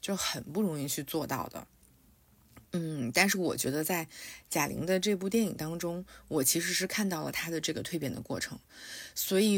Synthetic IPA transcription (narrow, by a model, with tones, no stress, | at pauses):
t͡ɕjo˥˩ʊxə˨˩npu˥˩ɻʊ˧˥ŋi˥˧t͡ɕʰy˥˧t͡swɔ˥˧t̪ɑ̰˥˩ʊd̪ə̰˩ | n̩˥˩t̪a˥˧nʂ̬ɻ̩˥˩wɔ̰˨˩t͡ɕɥɛ̰˧˥d̪ə˧t͡sa˥˩ɪt͡ɕja˨˩lʔḭ˧˥ŋd̪ə˧ʈ͡ʂɤ˥˧p̬u˥˧t̪jɛ˥˩ni˨˩ŋt̪ɑ˥ŋʈ͡ʂʊ˥ŋwɔ˨˩t͡ɕʰi˧˥ʂ̬ɻ̩˧˥ʂɻ̩˥˧kʰa˥˧nt̪ɑ˥˩ʊlə̰˩t̪ʰa˥d̪ə˨ʈ͡ʂɤ˥˩ɡə˩t̪ʰwe˥˩ɪpjɛ˨˩nd̪ə˦kwɔ̰˥˩ʈ͡ʂʰɤ̰˧˥ŋswɔ˧˥i˨˩